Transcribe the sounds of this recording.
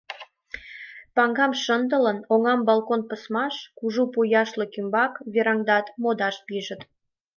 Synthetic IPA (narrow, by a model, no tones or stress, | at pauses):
pɑŋɡɑmʃənd̪ələnoŋɑmbɑlkonpəsmɑʃkuʒupujɑʃlĕkymbɑkβeɾɑŋd̪ɑt̪mod̪ɑʃpiʒə̆t̪